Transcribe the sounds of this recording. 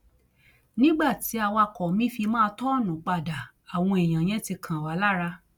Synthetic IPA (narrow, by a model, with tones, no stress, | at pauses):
nĩ˦ɡ͡ba˦˨ti˨˦a˧wa˧kɔ˨mĩ˨˦fi˧mãː˦˧tɔ˦˨nũ˨˦k͡pa˧˨da˨ | a˨w̃ɔ̃˧e˨j̃ã˨j̃ɛ̃˨˦ti˧kʰã˨wa˨˦la˦ɾa˧